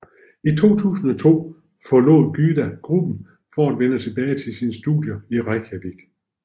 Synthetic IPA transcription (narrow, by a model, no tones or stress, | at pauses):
it͡sʰo̝̰ːt͡sʰṵːsn̩ɒ̽t͡sʰo̝̰ː | fɒ̽lɔ̰ðˠɡ̥yːd̥æɡ̥ʁub̥n̩ | fɒæd̥ʋenət͡sʰe̝b̥ɛːɪt͡sʰe̝lsinsd̥ṵd̥ˠjɐiʁakʰæb̥iɡ̥